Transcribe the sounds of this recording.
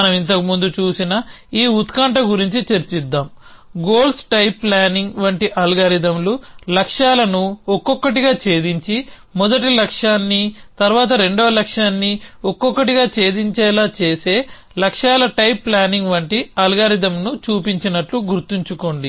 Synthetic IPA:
ɐnɐmint̪ɐkimund̪ut͡ʃuːsinɐ | iːut̪kɐɳʈɐɡuɾiɲt͡ʃit͡ʃeɾt͡ʃid̪ːaːm | ɡo̞ːlsʈɐjpːlaːniŋɡʋɐɳʈiʔɐlɡaːɾid̪ɐmlulɐkʂaːlɐnuɔkːɔkːɐʈiɡaːt͡ʃe̞ːd̪iɲt͡ʃi | mɔd̪ɐʈilɐkʂaːnːit̪ɐɾʋaːt̪̬ɐɾe̞ɳɖoːlɐkʂaːnːiɔkːɔkːɐʈiɡaːt͡ʃe̞ːd̪iɲt͡ʃɛːlaːt͡ʃe̞ːse̞ː | lɐkʂaːlɐʈɐjpːlaːniŋɡʋɐɳʈiɐlɡaːɾid̪ɐmnut͡ʃuːpiɲt͡ʃinɐʈluɡuɾt̪iɲt͡ʃuko̞ːɳɖi

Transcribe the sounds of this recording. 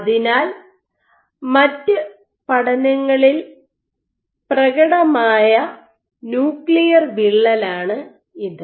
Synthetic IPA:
ɐðinaːl | mɐtːɨ | pɐɽɐnɐŋːɐɭil | prɐɣɐɽɐmaːjɐ | njuːkɭijɐrʋiɭːɐlaːɳɨ | ind̪ɨ

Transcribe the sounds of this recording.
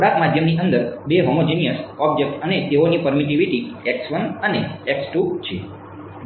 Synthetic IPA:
oɽakmad̪ʱjəmniʔənd̪əɾbeɦomod͡ʒenijəsɔb̚d͡ʒek̚ʈənet̪eonipəɾmiʈ̬iʋiʈieksʋənəneeksʈut͡ʃʰe

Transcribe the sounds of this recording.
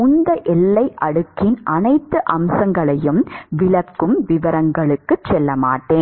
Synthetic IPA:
ʊnd̪ɐʔɛlːɐɪʔɐɽɯkːɪnʔɐnɐɪt̪ːɯʔɐmsɐŋɡɐɭɐjɯmʋɪɭɐkːɯmʋɪʋɐɾɐŋɡɐɭɯkːɯt͡ʃːɛlːɐmaːʈːeːn

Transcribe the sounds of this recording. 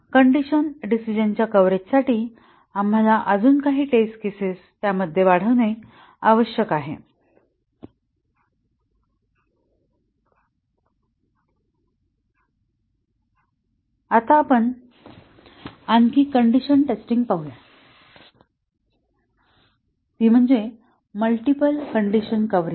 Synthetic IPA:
kəɳɖiɕənɖisid͡ʑənt͡ɕjakəʋɾet͡ɕsaʈiː | am̤alaʔəd͡zuːnkaɦiːʈeskesest̪jaməd̪ʱjeʋaɽ̤əʋne | aʋəɕjəkaɦḛ | at̪aːpəɳ | ankiːkəɳɖiɕənʈesʈiŋɡpaɦuja | t̪iːm̤əɳd͡ze | məlʈipəlkəɳɖiɕənkəʋɾi

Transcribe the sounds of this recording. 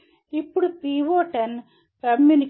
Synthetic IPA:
ipːuɽupɾiːʋoːʈɐn | kɐmjunik

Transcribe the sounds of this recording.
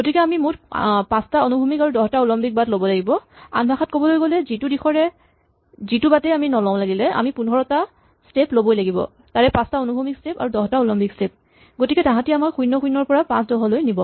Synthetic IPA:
ɡotikɛamimutpãstaonubʱumikaɹudɔɦɔtaulɔmpik̚batlobɔlaɡibɔa̰nbʱaxat̚kobɔlojɡolɛzitudixʰɔɹɛ | zitubatɛjaminɔlɔ̃w̃laɡilɛʔa̰mipunʱɔɹɔta | steplobojlaɡibɔ̰ | taɹɛpãstaonubʱumikstepa̰ɹudɔɦtaolɔmpikstep̚ | ɡotikɛtãɦãtiamaɹxʰujnɔxʰujnːɔɹpɔɹapãsdɔɦɔlojnibɔ

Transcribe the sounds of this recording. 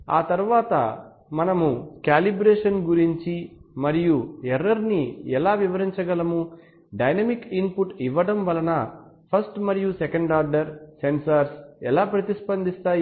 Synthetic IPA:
a̰ːt̪ɐɾuʋaːt̪ɐ̰ | mɐnɐmukaːlibɾeːʂɐnɡuɾiɲt͡ʃimɐɾijuɛɾːɐɾniɛlaːʋiʋɐɾiɲt͡ʃɐɡɐlɐmu | ɖɐjnɐmikinpuʈiʋːɐɽɐmʋɐlɐnɐ | pʰɐsʈmɐɾijusekɐɳɖaːɾɖɐɾsensɐɾsɛlaːpɾɐt̪ispɐnd̪ist̪aːj

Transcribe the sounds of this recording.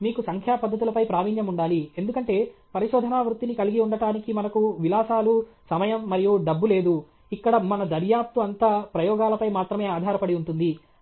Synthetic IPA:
miːkusɐŋkʰjaːpɐd̪ːɐt̪ulɐpɐjpɾaːʋiːnjɐmuɳɖaːlie̞nd̪ukɐɳʈe̞ːpɐɾiʃɔːd̪ʱɐnaːʋɾut̪ːinikɐliɡiuɳɖɐʈaːnikimɐnɐkuʋilaːsaːlusɐmɐjɐmːɐɾijuɖɐbːule̞ːd̪u | ikːɐɽɐmɐnɐd̪ɐɾjaːp̚t̪uɐnt̪aːpɾɐjɔːɡaːlɐpɐjmaːt̪ɾɐme̞ːaːd̪ʱaːɾɐpɐɽiuɳʈund̪i

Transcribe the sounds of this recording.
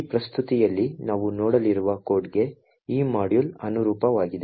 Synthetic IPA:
pɾɐst̪ʰut̪ijɐlːinaːʋunɔːɽɐliɾuʋɐkoːɾʈɡe̞ | iːmaːɽjulɐnuɾuːpɐʋaːɡid̪e

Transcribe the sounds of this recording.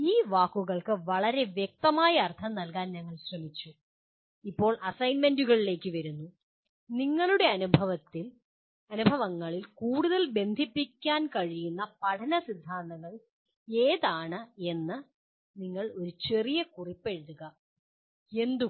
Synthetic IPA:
iːʋaːkːuɣɐɭkɨʋɐɭɐɾe̞ʋjek̚t̪ɐmaːjɐːrt̪ʰɐmnɐlkaːnɲɐŋːɐɭɕrɐmit͡ɕːu | ipːo̞ːɭʔɐsɐjnmenduɣɐɭile̞ːkːɨʋɐɾunːu | niŋːɐɭuɽe̞ɐnubʱɐʋɐt̪ːil | ɐnubʱɐʋɐŋːɐɭilkuːɽuðɐlbe̞nd̪ʱipːikʲːaːnkɐɻijunːɐpɐʈʰɐnɐsid̪ʱːaːnd̪ɐɣɐɭ | e̞ːðaːɳɨe̞nːɨ | niŋːɐɭo̞ɾut͡ɕe̞rijɐkuripːe̞ɻðuɣɐ | e̞nd̪u

